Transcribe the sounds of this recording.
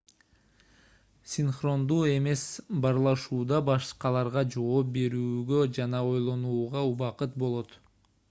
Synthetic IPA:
sʲinχro̞nd̪uːe̞me̞sbɑɾlˠɑʃuːd̪ɑbɑʃqɑlˠɑɾʁɑd͡ʒo̞oːp̚be̞ɾyːɡød͡ʒɑnɑo̞jlˠo̞nuːʁɑuβɑqɯt̪̚bo̞lˠo̞t̪

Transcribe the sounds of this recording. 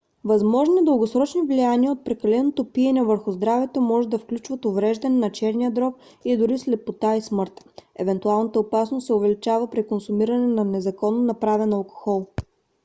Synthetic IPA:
vɐzmɔʒniɛd̪ɤlˠɡosɾɔt͡ʃnivlijaniəot̪̚pɾɛkɐlɛnot̪opiɛnɛvəɾxʊzd̪ɾavɛt̪omɔʒɛd̪ɐfklʲut͡ʃvət̪ʊvɾɛʒd̪ɐnɛnɐt͡ʃɛɾniəd̪ɾɔk̚ | id̪ʊɾislɛpot̪aismɤɾt̪ɛ̰vɛnt̪ualˠnət̪əopasnost̪sɛʊvɛlit͡ʃavəpɾikonsumiɾɐnɛnɐnɛzɐkɔnːonɐpɾavɛnɐlˠko̥xɔlˠ

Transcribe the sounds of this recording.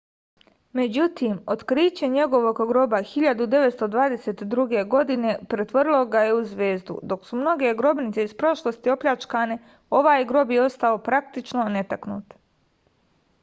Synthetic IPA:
me̞d͡ʑut̪imo̞d̪kɾiːt͡ɕeɲe̞ɡo̞ʋo̞ɡɡɾo̞baxiʎad̪ud̪e̞ʋet̪st̪od̪ʋaːd̪e̞se̞t̪d̪ɾuɡe̞ɡo̞d̪ine̞pɾet̪ʋoɾilˠo̞ɡajeuzʋeːzd̪ṵd̪o̞ksumno̞ɡe̞ɡɾo̞bnit̪seispɾo̞ʃlˠost̪io̞pʎʲat͡ʃkane̞ | o̞ʋaːjɡɾo̞bjeo̞st̪ao̞pɾak̚t̪it͡ʃnone̞t̪aknṵːt̪

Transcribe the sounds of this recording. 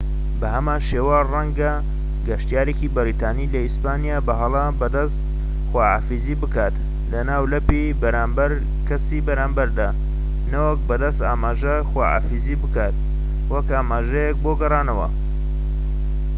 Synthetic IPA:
bɐhɐmaːnʃewarɐŋɡa | ɡɐʃt̪ijaːɾekibɐɾit̪ʰaːnilɐispaːnijaːbɐɦɐlˠɐbɐd̪ɐst̪ | xwaːa̰ːfiziːbɨkaːt̪ | lɐnaːwlɐpi | bɐɾaːmbɐɾ | kɐsiːbɐɾaːmbɐɾd̪aː | nɐwɐk̚bɐd̪ɐst̪aːmaːʒɐ | xwaːa̰ːfiziːbɨkaːt̪̚ | wɐkaːmaːʒɐjɛk̚boɡɐrˤaːnɐwɐ̰

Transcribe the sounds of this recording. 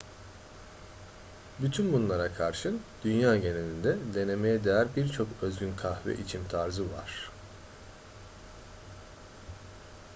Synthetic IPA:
byt̪ʰynbunlˠaɾakʰaɾʃɯd̪̥ynjaːɟe̞nelind̪ɛd̪e̞ne̞me̞jɛd̪ejæɾbiɾt͡ʃʰo̞køzɟynkʰahvɛ̰ʔit͡ʃʰimt̪ʰaɾzɯva̰ɾ̥

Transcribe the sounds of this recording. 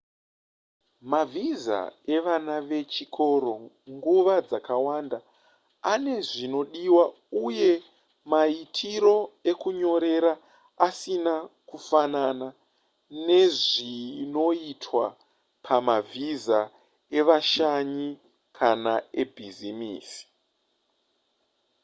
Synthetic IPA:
mavʱiza̰e̞ʋanaʋe̞t͡ʃikʰo̞ɾo̞ | ŋɡuʋad͡zakawanda | ane̞ʐino̞ɗiwa | uje̞ | maitʰiɾo̞e̞kuɲo̞ɾe̞ɾa | asinakufanana | ne̞ʐino̞itʰwa | pʰamavʱiza | e̞ʋaʃaɲi | kʰanae̞bʱizimḭːsi̥

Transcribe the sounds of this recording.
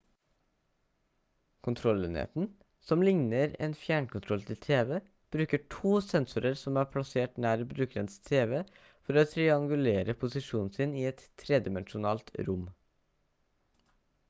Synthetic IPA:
kʰʊnt̪ʰɾɔlɛ̰nḛːt̪n̩ | sɔmlɪŋnəɾḛːnfjæːɳkʊnt̪ʰɾɔlt̪ʰɪlt̪ʰeːʋɛ | b̥ɾʉːkəʈʰuːsɛnsʊɾəɾsɔmæːpʰɽɑseːʈnæːɾbɾʉːkɾənst̪ʰeːʋɛ | fɔɾoːt̪ʰɾɪɑŋɡʉleːɾəpʰʊsɪʃuːn̩sɪniːɛt̪ʰːɾeːd̪ɪmɛnʃʊnɑ̰ːlt̪ɾʊm

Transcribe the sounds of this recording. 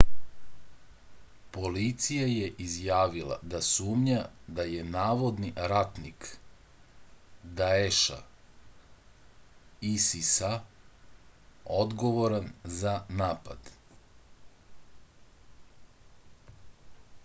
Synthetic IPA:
po̞lit̪sijajeʔizjaːʋila̰d̪asuːmɲad̪aje̞naːʋo̞d̪niɾat̪nik | d̪aeʃa̰ | isisa | od̪ɡo̞ʋo̞ɾanzanaːpa̰d̪

